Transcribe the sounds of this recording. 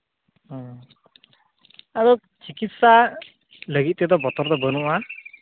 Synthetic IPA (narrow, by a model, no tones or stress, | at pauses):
ɔ | aɾɔ | t͡ʃikit̪sa | ləɡit̪̚ˀt̪ɛd̪ɔbɔt̪ɔɾd̪ɔbənuʔa